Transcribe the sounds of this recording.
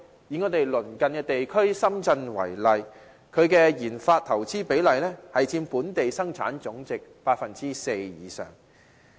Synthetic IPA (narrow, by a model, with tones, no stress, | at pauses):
ji˨ŋɔː˨˧t̪e˨jlɵ˨˩nkɐ˨nkɛː˧t̪e˨jkʰɵ˥ɥsɐ˥mt͡sɐ˧nwɐ̰˨˩jlɐ˨j | kʰɵ˨˧ɥkɛː˧jiː˨˩nfaː˧t̚t̪ʰɐ˨˩wt͡siː˥pe˨˥jlɐ˨jlɛː˥hɐ˨jt͡siː˧mpuː˨˥nt̪e˨jsɐ˥ŋt͡sʰa̰ː˨˥nt͡sʊ˨˥ŋt͡sɪ˨k̚paː˧t̚fɐ˨nt͡siː˥se˧jjiː˨˧sœ̰ː˨˩ŋ